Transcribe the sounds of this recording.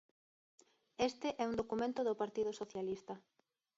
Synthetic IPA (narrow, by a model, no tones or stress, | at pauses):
est̪ɪʔɛund̪okumẽnt̪ʊðopaɾt̪ið̞osoθjalist̪ɐ